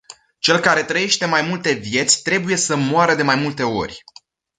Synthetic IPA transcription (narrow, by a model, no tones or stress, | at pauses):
t͡ʃe̞lkaɾe̞t̪ɾəje̞ʃt̪e̞majmult̪e̞vje̞t̪sʲt̪ɾe̞buje̞səmoaɾəd̪e̞majmult̪e̞o̞̰rʲ